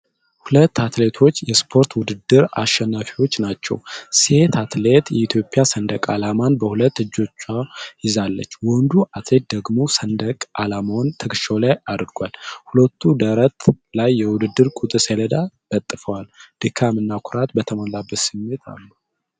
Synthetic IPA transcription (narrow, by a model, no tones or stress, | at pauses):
hulət̪ːat̪le̞t̪ʰo̞t͡ʃːjɛspʰo̞ɾt̪wʊd̪ɨd̪ːɨɾa̰ʃɛnːafiwo̞t͡ʃːnat͡ʃːɛ̰wse̞t̪ʰat̪le̞t̪jɛit̪ʰjo̞pʼːjasənd̪əkʼalamanbəhulət̪ːɨd͡ʒːo̞t͡ʃːajɪzalːə̰t͡ʃːwɔnd̪uat̪le̞t̪̚d̪əɡmo̞sənd̪əkʼʔalamawnt̪ʰɨkʼɨʃawlajad̪ɾɡʷalhulət̪ʰːud̪əɾət̪lajːɛwʊd̪ɨd̪ːɨɾkʼut̪ʼɨseləd̪ab̥ət̪ʼːɨfəwald̪̥ɨkʰamɨnːakʰʊɾat̪bət̪ʰəmalabːət̪sɨmːe̞t̪ʰa̰lːu